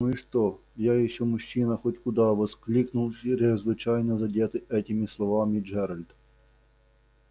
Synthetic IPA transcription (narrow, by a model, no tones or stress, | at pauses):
nuiʂt̪ojajɪɕːomʊɕːinɐxotʲkʊd̪ɑʋɐsklʲiknʊlˠɾɪzʋɪt͡ɕajnəzɐdʲet̪ɨʔɛtʲɪmʲɪslˠɐvamʲɪd͡ʒɛɾɐlʲd̪